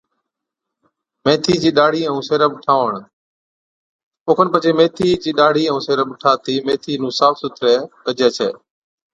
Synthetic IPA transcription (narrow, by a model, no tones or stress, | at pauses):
meːt̪ʰiːd͡ʒiːɗaːɽiːəũːseːɾəbʈʰaːʋəɳ̃ | ʊːkʰənpət͡ʃeːmẽːt̪ʰiːd͡ʒiːɗaːɽ̤iːə̃ũːseːɾəɓʈʰaːt̪ʰiːmeːt̪ʰiːnũːsaːfʰsʊt̪ʰɾɛːkəd͡ʒeːt͡ʃʰḛː